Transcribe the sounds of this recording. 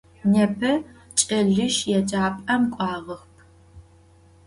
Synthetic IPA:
nɛpʰɐ | t͡ʃʼɐɮɨʃjɛd͡ʒʼaːpʼɐmkʷʼɑːʁɐxpʰ

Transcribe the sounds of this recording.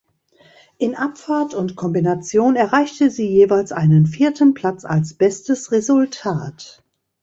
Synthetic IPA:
ʔɪnʔapfaɐtʊntkʰɔmbinat͡sjoːnɛɐʁaɪçtəziːjeːvaɪlsʔaɪnənfiːɐtʰənpʰl̥at͡sa̰lsb̥ɛstəsʁezʊltʰaːt

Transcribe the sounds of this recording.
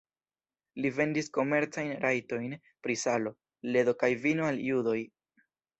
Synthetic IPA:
live̞ndisko̞me̞ɾt͡sajnɾajto̞jn | pɾisalo̞ | le̞do̞kajvinoaljudo̞j

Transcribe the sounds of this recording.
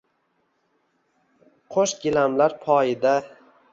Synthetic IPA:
qʰoʃɡʲɪlamlaɾpʰɒjɪd̪a

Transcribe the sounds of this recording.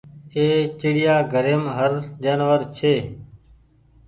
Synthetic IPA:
eːt͡ʃɪɽɪjaːɡʱəɾeːmɦəɾd͡ʒaːnʋəɾt͡ʃʰeː

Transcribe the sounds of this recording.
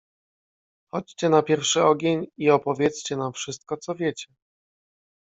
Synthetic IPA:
xɔt͡ɕt͡ɕɛnapʲjɛɾfʂɘɔɡʲeɲiɔpɔvʲjɛt̪st͡ɕɛnamfʂɘst̪̚kɔt̪sɔvʲjet͡ɕɛ

